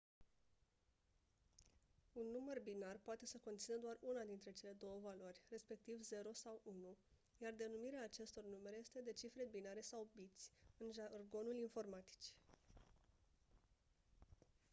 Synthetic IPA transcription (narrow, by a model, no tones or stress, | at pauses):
unːumərbinarpoat̪e̞səko̞nt̪sinəd̪oarunad̪int̪ɾe̞t͡ʃe̞le̞d̪o̞wəvalo̞rʲre̞spe̞k̚t̪ivze̞ɾosawunu | jard̪e̞numiɾeaːt͡ʃe̞st̪o̞rnume̞ɾje̞st̪ed̪e̞t͡ʃifɾe̞binaɾe̞sawbit̪sʲɨnʒrɡo̞nulinfo̞rmat̪i̥t͡ʃʲ